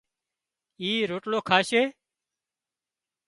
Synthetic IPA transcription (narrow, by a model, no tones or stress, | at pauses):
iːɾoːʈloːkʰaːseː